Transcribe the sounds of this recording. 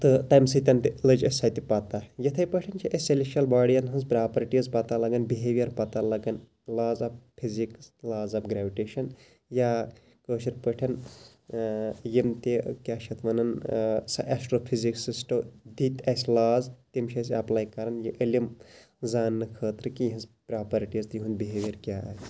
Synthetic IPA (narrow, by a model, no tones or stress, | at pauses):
t̪ɨt̪ɐjmsɨt̪ʲɐnt̪ilɐd͡ʒɐsʲɐt̪ipɐt̪ajɐt̪ʰɐjpəʈʰɐnt͡ʃʰiʔɐseleʃɐlbaːɽijɐnɦɨnzbɾaːpɐɾʈijɐzpɐt̪alɐɡɐnbiɦeʋijɐɾpɐt̪alɐɡɐn | laːzɐp̚pʰːiziklaːzɐpɡɾaːʋiʈeːʃɐn | jaː | kəːʃiɾpəʈʰɐn | jimt̪ekʲaʃʰɐt̪ʋɐnɐnsɐ̰ʔasʈɾoːpʰiziksisʈɐd̪it̪ɐsʲlaːzt̪imʃʰɐs̬ɐplaːikɐɾɐnjiʔəlʲim | zaːnːɨkʰəːt̪ɾɨkijɦɐ̃nzpɾaːpɐɾiʈizt̪jiɦund̪biɦeʋʲjɐɾkʲa̰ːj